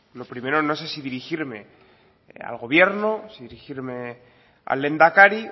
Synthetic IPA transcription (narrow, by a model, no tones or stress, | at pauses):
lo̞pɾime̞ɾo̞no̞s̬e̞siðiɾixiɾme̞ | a̰lɣ̞o̞β̞je̞ɾnosiðiɾixiɾme̞ | a̰lːe̞nd̪akaɾi